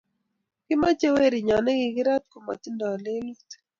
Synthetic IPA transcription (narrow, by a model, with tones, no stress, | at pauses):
kɪ˦ma˦t͡ʃe˦we˦ɾi˨ɲɔ˨nɛ˦ɡɪ˨ɡɪ˦ɾa˦t̪̚ko˨ma̰˨t̪i˦ndɔ˨a˨le˦lu˦t